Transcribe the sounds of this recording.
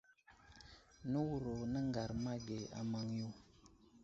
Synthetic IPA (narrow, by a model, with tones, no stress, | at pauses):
nu˦wu˨ɾo˨nə˦ŋɡa˨ɾma˦ɡe˨a̰˨ma˨ŋju˦˨